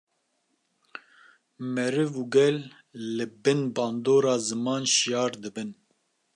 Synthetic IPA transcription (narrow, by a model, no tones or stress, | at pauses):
mɛɾɨvuːɡɛlː | ɨbɨnbɑːnd̪oːɾɑːzɨmɑːnʃijɑːɾd̪ɨbɨn